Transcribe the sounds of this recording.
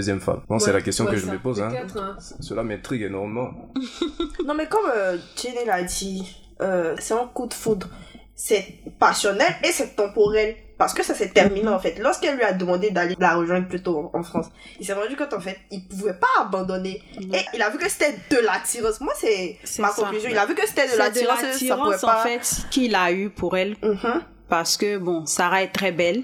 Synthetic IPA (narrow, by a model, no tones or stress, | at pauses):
øzjɛmfa̰mbɔ̃sɛlakɛst̪jɔ̃kəʒəməpozɛ̃ɛsəlamɛ̃t̪χiɡenɔʁmemɑ̃ | nɔ̃mɛkɔmød͡ʒenɛlad̪i | øsɛɔ̃kud̪fud̪ʁ | sɛpasjɔnɛlesɛt̪ɑ̃pɔʁɛl | paʁsə̥kəsasɛt̪ɛʁminẽɑ̃fɛt̪lɔʁskɛlːɥiad̪əmɑ̃d̪ed̪aled̪əlaʁəʒwɛ̃d̪ʁplyt̪õɑ̃fχɑ̃s | ilsɛtɑ̃d̪ykɔ̃t̪ɑ̃fɛt̪̚ilpuvɛpaːbɑ̃d̪ɔne | eilavykəse̥t̪ɛd̪əlat̪iʁɑ̃smwasɛsɛmakɔ̃yzjɔ̃ilavykəse̥t̪ɛd̪əlat̪iʁɑ̃iapʁɑ̃ũvɛsɑpãffɛt̪kilaypʰuʁɛl̩ | paʁsə̥kəbɔ̃savaɛt̚t̪χɛbɛl